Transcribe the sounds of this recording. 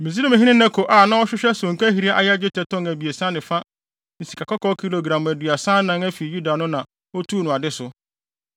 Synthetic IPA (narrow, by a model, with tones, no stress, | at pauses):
mĩ˨zi˦nʊ̃˦mɪ̃˨ɦĩ˦nɪ̃˦nɛ̃˦kʰʊ˨ʔa˨nã˦ɔ˦ɕᶣɪ˦ɕᶣɛ˦sʊ̃˨ŋ˨kæ˦ɦi˨ɾi˦a˦ʔa̰˨˦jd͡ʑɪ˦tʰɛ˨tʰɔ̃˦ŋæ˨bi˨e˨sã˦nɪ̃˨fa˦ | n̩˨si̥˨kʰa˨kʰɔ˦kʰɔ˦kʰi˦lo˨ɡɾã˨m˨æ˨dɥa˨sã˦nːã˦ŋæ˦fi˨ju˦da˨nʊ̃˦nã˨ | ɔ˦tʰuː˦nʊ̃˨a˨dɪ˦sʊ˨